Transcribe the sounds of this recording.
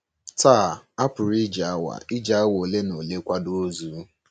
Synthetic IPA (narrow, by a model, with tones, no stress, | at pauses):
taː˦˨a˦pʊ˨ɾi˦d͡ʒa˨a˦wa̰˨ɪ˦d͡ʒa˨a˦wo˨le˦no˨le˦kʷa˦do˦o˦zu˨˦